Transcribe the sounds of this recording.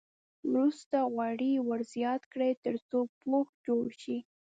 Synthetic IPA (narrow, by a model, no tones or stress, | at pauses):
mɾust̪aɣwɑɽiwəɾzjɑt̪kɽet̪əɾt͡sopoxd͡ʒoɽʃi